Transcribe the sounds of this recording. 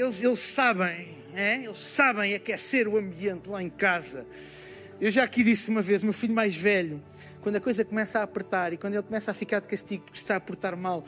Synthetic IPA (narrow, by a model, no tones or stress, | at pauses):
elˠʃelˠʃsaβɐ̃j̃ | ɛelˠʃsaβɐ̃j̃ɛkɛseɾuɐ̃mbiẽnt̪lˠaẽkazɐ | ewʒaɐkiðisumɐvezumewfiʎumajʒvɛʎu | kwɐ̃nd̪ɐkojzɐkumɛsapɾɨt̪aɾikwɐ̃nd̪elˠkumɛsafikaɾd̪kɐʃt̪iɣupuɾkʃt̪aɐpuɾt̪aɾmalˠ